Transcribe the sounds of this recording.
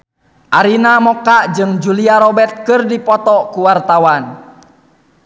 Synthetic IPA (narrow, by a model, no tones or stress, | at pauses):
ʔaɾinamɔkaʔd͡ʒɨŋd͡ʒuliaɾɔbɛt̪̚kɨrdipɔt̪ɔkuwart̪awan